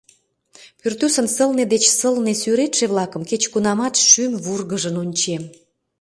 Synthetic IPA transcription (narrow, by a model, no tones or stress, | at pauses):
pyrt̪ysənsəlned̪et͡ɕsəlnesyɾet̪ʃeβlɑkəmket͡ɕkunɑmɑt̪ʃymβurɣəʒənonʲt͡ɕem